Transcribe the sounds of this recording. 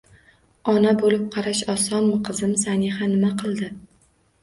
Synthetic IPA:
ɒnabolɪp̚qʰɑɾaʃɒsɒnmʊqʰɨzɪmsanɪhanɪmaqʰɨlˠd̪ɪ

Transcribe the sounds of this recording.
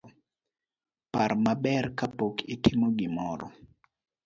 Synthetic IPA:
parmabɛrkapokɪtɪmoɡɪmɔɾɔ̰

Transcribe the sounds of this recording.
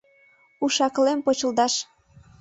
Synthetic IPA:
uʃɑklempot͡ɕə̆ld̪ɑʃ

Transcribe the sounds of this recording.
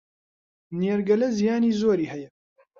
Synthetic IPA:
niɛɾɡɐlɛzijaːniːzoːɾiːhɛjɛ

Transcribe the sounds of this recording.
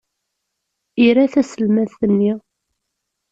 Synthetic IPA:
iɾæθæsəlmæθənːi

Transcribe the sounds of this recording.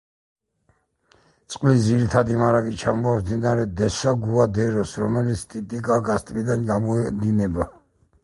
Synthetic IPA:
t̪sʼqʼlisd̪ziɾit̪ʰad̪imaɾakʼit͡ʃʰamɔaszinaɾɛd̪ɛsaɡuad̪ɛɾɔsɾɔmɛlit̪sʰt̪ʼit̪ʼikʼaɡast̪ʼvid̪anɡamɔɛd̪inɛba

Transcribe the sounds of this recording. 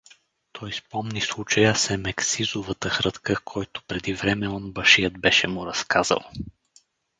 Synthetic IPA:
t̪ʰɔjspɔmnislˠut͡ʃəjəsɛmɛksizovət̪əxɾɤt̪kəkʰɔjt̪ʊ̥pɾɛd̪ivɾɛmɛɔnbəʃijəd̪̚bɛʃɛmʊɾɐskaz̥ə̰lˠ

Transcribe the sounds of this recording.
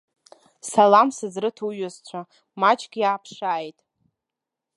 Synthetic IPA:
salamsɨzrɨtʰuɥʊzt͡ɕʷʰa | mat͡ʃʼɡʲjaːpʰʂaːjtʼ

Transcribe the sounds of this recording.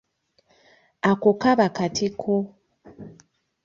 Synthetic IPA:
akokaβakatʰikʰo

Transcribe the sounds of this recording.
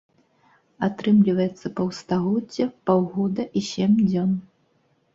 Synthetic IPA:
at̪ɾɨmlʲivɐjɛt̪sːɐpɐwst̪aɣɔdd͡zʲːɛpawɣɔd̪ɐʔisʲemd͡zʲɔn

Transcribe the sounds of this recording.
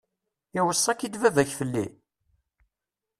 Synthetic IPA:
ɪwəsˤːɑkid̪vævæçfəlːḭ

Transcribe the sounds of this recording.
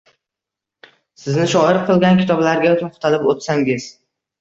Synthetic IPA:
sɪznɪʃɒɪɾqʰɨlˠɡʲankʲʰɪ̥t̪ʰɒblaɾɡʲat̪ʰoχt̪ʰalɪpot̪saŋʲɪz̥

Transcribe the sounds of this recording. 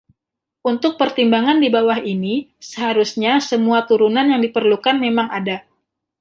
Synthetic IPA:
unt̪ʊk̚pərt̪imbaŋandibawaɦinisəɦaɾusɲasəmuat̪uɾunanjaŋdipərlukanmemaŋada

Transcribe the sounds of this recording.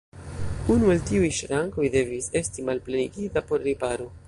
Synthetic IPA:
unueltiujʃɾaŋko̞jde̞vise̞stimalpleniɡitapo̞ɾːipaɾo̞

